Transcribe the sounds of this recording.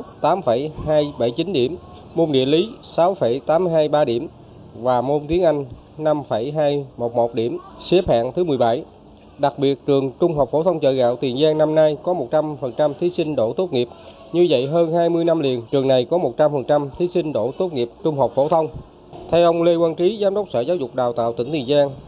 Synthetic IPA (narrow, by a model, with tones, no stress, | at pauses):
t̪aː˨˦mfə˧˩jhaː˧jɓə˧˩jt͡ɕi˨˦nɗḭ˧˩əm | mo˧nɗḭ˧˨əli˨˦sa˨˦wfə˧˩jt̪aː˨˦m˧ɦaː˧jɓaː˧ɗḭ˧˩əm | vaː˨˩mo˧nt̪i˨˦ənʔa˧jŋ̟ | na˧mfə˧˩jɦaː˧jmo˨˩t̚mo˨˩t̚ɗi˧˩əmsi˨˦˥p̚ha̰ː˧˨ŋt̪ʰɨ˨˦mɨ˨˩əjɓa˧˩j | ɗa˨˩k̚ɓi˨˩ət̚t͡ɕɨ˨˩əŋt͡ɕʊ˧ŋ͡mɦo˨˩wk͡p̚fo˧˩t̪ʰə˧wŋ͡mt͡ɕə̰ː˧˨˩ɣa̰ː˧˨wt̪i˨˩ənzaː˧ŋna˧mna˧jkɔ˨˦mo˨˩t̚t͡ɕa˧mfə˨˩nt͡ɕa˧mt̪ʰi˨˦sï˧ŋ̟ɗo̰˧˩t̪o˦˥t̚ŋi˨˩əp̚ | ɲɨ˧zə̰˧˨jɦəː˧nhaː˧jmɨ˧əjna˧mli˨˩ənt͡ɕɨ˨˩əŋna˨˩jkɔ˨˦mo˨˩t̚t͡ɕa˧mfə˨˩nt͡ɕa˧mt̪ʰi˨˦sï˧ŋ̟ɗo̰˧˩t̪o˦˥t̚ŋi˨˩əp̚t͡ɕʊ˧ŋ͡mɦəː˨˩k͡p̚fo˧˩t̪ʰə˧wŋ͡m | t̪ʰɛ˧wʔə˧wŋ͡mle˧kwaː˧nt͡ɕi˨˦zaː˨˦mɗə˦˥k͡p̚sə̰ː˧˩zaː˨˦wzʊ˨˩k͡p̚ɗaː˨˩wt̪a̰ː˧˨wt̪ə̰˧˩ŋt̪ʰənzaː˧ŋ